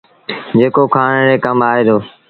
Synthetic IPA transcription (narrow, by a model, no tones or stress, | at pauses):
d͡ʒeːkoːkʰaːɽɽeːkəmaːɦeːd̪oː